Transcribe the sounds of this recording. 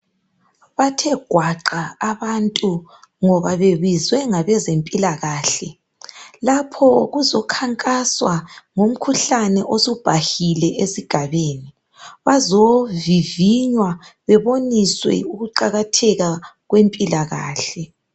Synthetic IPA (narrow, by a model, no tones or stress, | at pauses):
βatʰɛɡ̥ʱwaǃaːβantʼu | ŋɔβaβeβizwɛŋaβɛzempʼilaɣaːɬɛ | lapʰɔɣuzɔkʰaŋkʼaswaŋom̩kʰuɬanɛʔosub̥ʱahilɛesiɡ̥ʱaβeːni | βazoviviɲwaβɛβoniswɛ̰uɣuǃaɣatʰɛɣaɣwempʼilaɣa̰ːɬɛ